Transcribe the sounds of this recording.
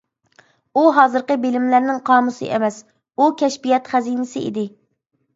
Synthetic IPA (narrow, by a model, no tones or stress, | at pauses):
uɦɑːzɨɾqəbɪlɪmlæɾnɪŋqʰɑːmusɨ̰ʔḛmɛs | ukʲʰɛʃbijɛt̪χæzijnɪsɪʔḭd̪ɪ